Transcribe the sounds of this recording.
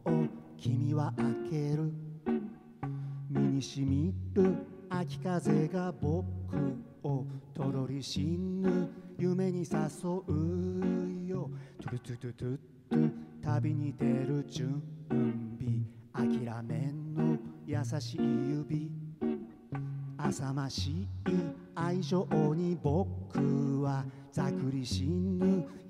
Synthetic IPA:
okʲʰimʲiβaʔake̞ɾɯ̟ | mʲiɲ̟iɕimʲiɾɯ̟akʲi̥kaze̞ɡabo̞kːɯ | ot̪o̞d̪o̞ɾʲiɕinːɯjɯme̞ɲ̟isaso̞ʔɯ | jot̪t̪ɨtɨ | t̪ːot̪abʲiɲ̟id̪e̞ɾɯ̟d͡ʑɨ̃ɯmbʲiakʲiɾame̞nːojasaɕiijɯbʲi | asamaɕii | aiʑo̞ʔoɲ̟ibo̞kːɯ̟βa | z̥akɯ̟ɾʲiɕinːɯ

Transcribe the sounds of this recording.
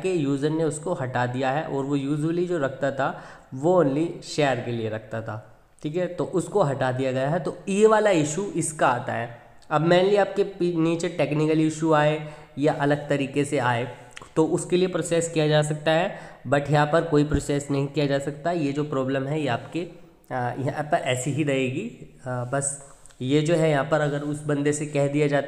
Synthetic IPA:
kejuːzənneʊskoɦɐʈad̪ijaɦɛʔɔːɾʋojuːd͡ʒəlid͡ʒoːɾɐk̚ʰt̪at̪ʰa | ʋoʊnliʃɛːəɾkelieɾɐk̚ʰt̪at̪ʰaː | ʈʰiːkɛt̪oʔʊskoɦɐʈad̪ijaɡɐjaɦɛt̪oieʋaːlaɪʃuɪskaaːt̪a̰ɦɛː | ɐbmɛ̃ːnliaːp̚keiniːt͡ʃʈeːknɪkəlɪʃuaːe | jaʔɐləɡ̚t̪ɐɾiːkeseaːe | t̪oʊskeliepɾoːseːskijad͡ʒaːs̬ɐk̚t̪aɦɛbɐʈʰjɐɦãpɐɾkoːipɾoːseːsnɐɦĩkijad͡ʒaːsɐk̚t̪aɦɛjed͡ʒoːpɾɔːblə̃mɦɛjɐɦaːpke | jɐɦãpɐɾʔɛːsiɦiɾɐɦeːɡibɐs | jed͡ʒoːɦɛjɐɦãːpɐɾɐɡəɾʊsbɐ̃nd̪esekɛɦd̪ijad͡ʒaːt̪

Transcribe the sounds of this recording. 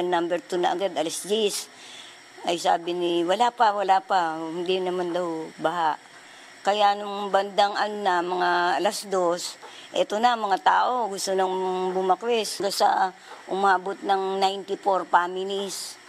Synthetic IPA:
nnambɛɾt̪unɐʔɐɡad̪ɐlasd͡ʒis | ɐjsa̰ːbɪnɪwɐlapɐwɐlapahɪnd̪inɐmand̪ɐwbɐɦaʔ | kɐjaʔnʊŋbɐnd̪aŋʔɐnonɐmɐŋaɐlasd̪o̞sʔɛt̪onɐmɐŋat̪aːʔo̞ɡʊst̪onɐŋbʊmɐkwɛsɡasa | ʔʊmaːbot̪̚nɐŋnajnt̪ɪfoɾpaːmɪlɪs

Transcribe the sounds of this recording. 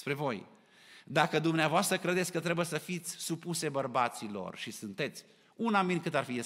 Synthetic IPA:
pɾe̞vo̞j | d̪akəd̪umneavoast̪ɾəkɾe̞d̪et̪sʲkət̪ɾe̞bujesəfit̪sʲsupuse̞bərbat̪silo̞̰rʃisɨnt̪e̞t̪sʲ | unaminʲkɨt̪arfie

